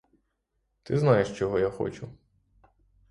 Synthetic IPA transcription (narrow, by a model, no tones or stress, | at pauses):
t̪ɪznɑjeʃt͡ʃɔɦɔjaxɔ̰t͡ʃʊ